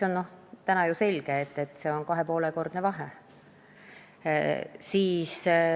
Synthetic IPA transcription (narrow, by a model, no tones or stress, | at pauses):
o̞nno̞ht̪ænɑjuse̞lʲɡ̥e̞ːt̪ːˑe̞t̪ːˑse̞o̞nkɑɦe̞po̞ːle̞ko̞rd̪̥nevɑɦe | siːs